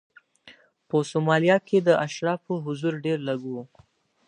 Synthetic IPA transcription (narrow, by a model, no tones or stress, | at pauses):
pəsomɑlijɑkʰed̪əʔaʃɾɑpəɦʊzuɾɖeɾlaɡu